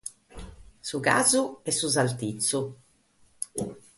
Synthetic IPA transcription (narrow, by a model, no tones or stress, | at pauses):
suɡa̰ːzuɛsːuzalt̪it̪sːu